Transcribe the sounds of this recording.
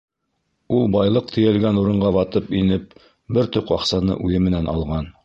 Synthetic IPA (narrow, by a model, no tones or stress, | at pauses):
ulˠbɑjlˠɤq̚t̪ʰɘ̆jɘ̆lɡænuɾɤ̆ɴɢɑβɑt̪ɤpinɘp̚ | bɘɾt̪ɵpwɑqsɑnɤ̰ʔʉjɘmɘ̆nænɑ̰lˠʁɑn